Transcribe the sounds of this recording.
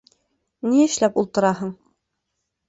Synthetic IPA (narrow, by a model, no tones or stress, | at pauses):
niɘ̆ʃlæpulˠt̪ɤ̆ɾɑɦɤɴ